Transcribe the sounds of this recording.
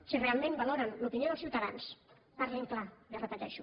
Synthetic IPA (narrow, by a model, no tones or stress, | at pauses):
sirealˠmẽmbaloɾənlupinijoðelˠsiwt̪aðans | paɾleŋklad̪ərət̪aʎa̰ʃu